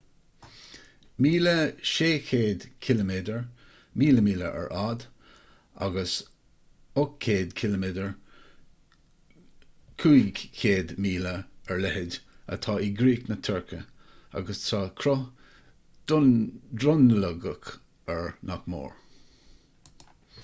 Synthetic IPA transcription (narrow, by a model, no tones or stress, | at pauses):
miːləʃeːkʰeːd̪kʰɪləmeːdəɹ | miːləmiːləʔɛ̰ɹʔaːd̪ | a̰ɡəs | ʊkʰːeːd̪kʰɪləmedəɹ | kʰuːiɡkʰeːd̪miːləɛɹlɛhɪd | ə̰t̪ʰɑːiɡɾiːknət̪ʰəɹkʰəa̰ɡəstʰɑːkʰɾɔ | d̪̥ʊndɾʊnləɡək | ɛɹnakmo̰ːɹ